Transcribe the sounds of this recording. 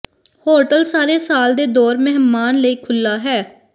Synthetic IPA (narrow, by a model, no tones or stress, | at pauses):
hoːʈəlsaːɾeːsaːld̪eːd̪ɔːɾmɛɦmaːnləiːkʰʊlːaːɦɛː